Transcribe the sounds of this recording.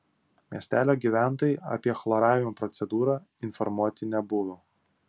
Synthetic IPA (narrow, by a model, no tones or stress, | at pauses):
mʲiɛsʲt̪ʲæːlʲoːɡʲiːʋʲæˑnˑt̪oːjɪɐ̰pʲiɛxlˠɔɾɑːʋʲɪmopɾɔt̪sʲɛd̪uːɾɑː | ɪnfɔɾmuɔt̪ʲɪnʲɛbʊʋo